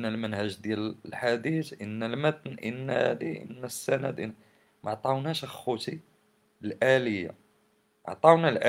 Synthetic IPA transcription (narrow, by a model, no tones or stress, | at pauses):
ʔnːælmənhæʒd̪jællħad̪it̪ʔənːælmət̪nʔə̰nːhæ̰d̪iʔə̰nːæsːænæd̪ə | mʔɑʕt̪ˤɑwnæʃəxut̪i | lʔæləjːa̰ | ʔʕt̪ˤɑwnælʔæ